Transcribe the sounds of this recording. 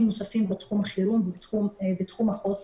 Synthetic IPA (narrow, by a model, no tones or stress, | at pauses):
mnosafimbatχumhaχiɾumumbet̪χumhaχos